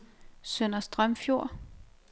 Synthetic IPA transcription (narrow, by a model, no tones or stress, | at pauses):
søn̰ɐsd̥ʁɶmfjo̝ɐ̰